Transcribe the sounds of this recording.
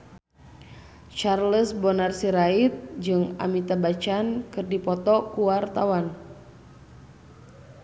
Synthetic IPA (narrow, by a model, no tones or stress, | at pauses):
t͡ʃarləsbɔnarsiɾait̪̚d͡ʒɨŋa̰mit̪abat͡ʃankɨrdipɔt̪ɔkuwart̪awan